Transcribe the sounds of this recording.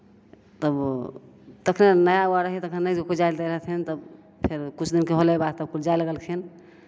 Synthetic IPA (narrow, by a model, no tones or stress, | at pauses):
t̪əb | t̪əkʰnenəjauaɾəɦit̪əkʰnenəd͡ʒekud͡ʒaild̪ɛɾəɦt̪ʰɦɛnt̪əb | pʰeɾkut͡ʃʰd̪inkeɦolebad̪t̪əb̚kud͡ʒajləɡəlkʰen